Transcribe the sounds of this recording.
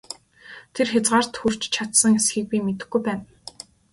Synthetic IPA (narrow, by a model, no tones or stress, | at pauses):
t̪ʰerxʲat͡sʁaːr̥t̪xur̥t͡ɕt͡ɕʰat̪sə̆ŋesxĭk̚piːmet̪ɘ̆xɡujpæːn